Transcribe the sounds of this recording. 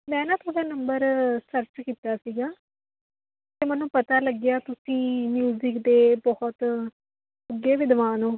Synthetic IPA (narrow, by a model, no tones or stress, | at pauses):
mɛ̃ːnãːt̪ʰoːɽaːnəmbəɾsəɾt͡ʃkiːt̪aːsiːɡaː | t̪eːmɛnũːpət̪aːləɡɪjaːt̪ʊsĩːmjuːzɪkd̪eːbɔhɔt̪ | əɡeːʋɪd̪ʋaːnõː